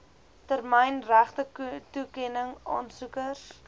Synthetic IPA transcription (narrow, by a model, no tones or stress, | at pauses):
tərməjnræχtətukɛnəŋɑ̰ːnsukəs